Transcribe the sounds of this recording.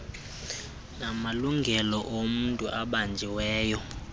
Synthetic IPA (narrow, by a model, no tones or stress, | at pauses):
namaluŋɡʱɛlɔʔomuntʼuʔaɓand͡ʒʱiwɛːjɔ